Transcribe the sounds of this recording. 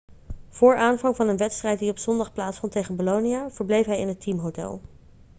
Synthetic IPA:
v̥ʊːɹaːnvɑŋvɑnənʋɛtstrɛjt̚diɔpsɔndɑχplaːtsfɔntejχənboloniav̥əɹblejfɦɛjɪnɦətʰimɦowtɛ̰lˠ

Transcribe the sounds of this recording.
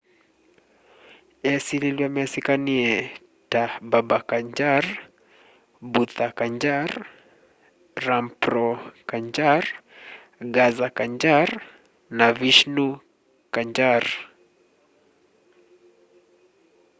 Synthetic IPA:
ɛsililiamɛasikaniɛ | tababakaɲd͡ʒaɾ | but̪akaɲd͡ʒaɾ | ɾampɾɔkaɲd͡ʒaɾ | ɡazakaɲd͡ʒaɾ | naviʃnu | kaɲd͡ʒaɾ

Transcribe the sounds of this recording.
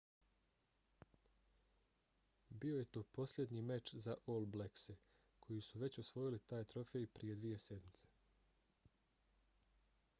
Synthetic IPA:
bio̞je̞t̪o̞ːpo̞slje̞d̪nimet͡ʃzaʔolˠblekse | kʰo̞jisuʋe̞t͡ɕosʋo̞jilit̪aːjt̪ɾo̞fe̞jpɾije̞d̪ʋije̞se̞d̪mit̪se̥

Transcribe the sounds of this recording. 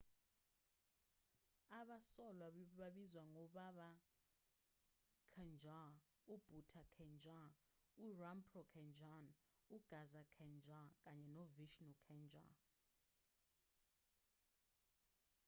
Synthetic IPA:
aɓasɔlwaɓaɓizwaŋɔɓaɓa | kʰɛnd͡ʒʱa | ub̥ʱutʰakʰɛnd͡ʒa | urampʰrɔkʰɛnd͡ʒan | uɡ̥ʱazakʰɛnd͡ʒʱak̬ʼaɲɛnɔviʃnɔkʰɛnd͡ʒa̰

